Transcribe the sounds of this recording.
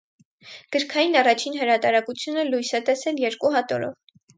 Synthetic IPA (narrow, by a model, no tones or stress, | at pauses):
ɡ̥əɾkʰɑjinɑrɑt͡ʃʰinɦəɾɑt̪ɑɾɑkut͡sʰjunəlujsɛt̪ɛsɛljɛɾkuɦɑt̪ɔɾɔ̰v